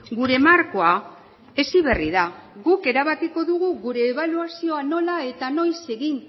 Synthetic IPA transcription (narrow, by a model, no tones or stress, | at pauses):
ɡuɾe̞maɾko̞a | e̞siβe̞riðaɣuke̞ɾaβakiko̞ðuɣuɣuɾe̞ːβaluasio̞ano̞lae̞t̪ano̞jse̞ɣin